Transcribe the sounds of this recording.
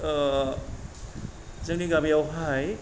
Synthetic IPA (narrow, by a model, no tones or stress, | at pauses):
zɐŋniɡamijawɦaj